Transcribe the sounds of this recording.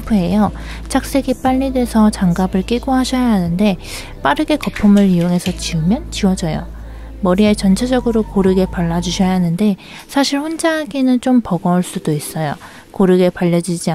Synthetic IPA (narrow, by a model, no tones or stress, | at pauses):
pʰue̞jʌt͡ɕak̚s͈e̞ɡip͈aʎːidwe̞sʰʌt͡ɕaŋɡabɯɭk͈eɡoɦaɕʰʌjaɦanɯnde̞ | p͈aɾɯɡe̞kʌpʰumɯɾijoŋe̞sʰʌt͡ɕiɯmjʌnt͡ɕiwʌd͡ʑʌjo̰ | mʌɾiet͡ɕʌnt͡ɕʰed͡ʑʌɡɯɾokoɾɯɡe̞paɭːad͡ʑuɕʰʌjaɦanɯnde̞ | sʰaɕʰiɭɸond͡ʑaɦaɡinɯnt͡ɕ͈ompʌɡʌuɭs͈udois͈ʌjo | koɾɯɡe̞paʎːʌd͡ʑid͡ʑia